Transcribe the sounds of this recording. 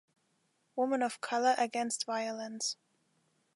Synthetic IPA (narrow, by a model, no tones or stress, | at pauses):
wʊmə̃nʌv̥kʰʌlˠə˞ʔɨɡɛ̃nstv̥aɪəlˠə̃ns